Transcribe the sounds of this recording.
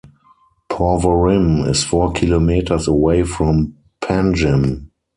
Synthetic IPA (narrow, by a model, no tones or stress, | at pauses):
pʰɔvəɹɪ̃mɪ̰sfɔːkʰilomiːtʰə˞səweɪfɹɔ̃m | pʰæ̃nd͡ʒə̃m